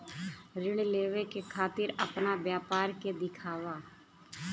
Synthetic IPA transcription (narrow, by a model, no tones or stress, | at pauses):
ɾɪɳ̃leːʋekekʰaːt̪ɪɾəpnabjaːpaːɾked̪ɪkʰaːʋaː